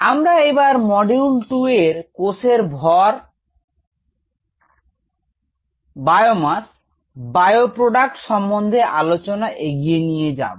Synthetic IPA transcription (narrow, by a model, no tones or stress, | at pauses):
amɾaebaɾmɔɖeunʈueɾkoseɾbʱɔɾ | bajomas | bajopɾoɖak̚ʈʃɔmbond̪ʱeʔalot͡ɕonaʔeɡijenijed͡ʑa̰b